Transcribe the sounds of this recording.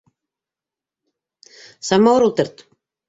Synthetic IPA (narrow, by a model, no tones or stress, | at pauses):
samːawɾɔlt̪ɛɾ̥t̪